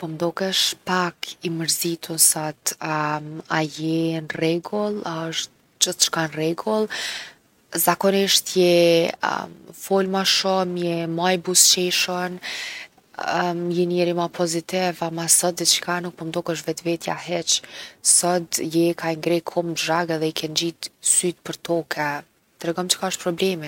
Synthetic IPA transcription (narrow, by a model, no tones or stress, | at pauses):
pɔmd̪ɔkɛʃpakʰiməɾzit̪ʰunsɔt̪aajɛnrɛɡɔlˠaəʃt̪ | d͡ʒəθt͡ʃə̥kanrɛɡɔlˠ | zakɔniʃt̪jɛ̰ | fɔlmaʃɔmjɛmajbust͡ʃɛʃɔn | jɛniɛɾimapʰɔzit̪ɪvamasɔt̪̚ɛt͡ʃə̥kanuk̚pɔmd̪ɔkəʃ̬vɛt̪vɛt̪ja̰ɦɛt͡ʃsɔt̪jɛkʰaiŋɡɾɛkʰɔmʒaɡɛðɛikʰɛnd͡ʒit̪syt̪̚pəɾt̪ɔkʰɛ | t̪ɾɛɡɔmt͡ʃə̥kaɔʃt̪pɾɔblɛmɛ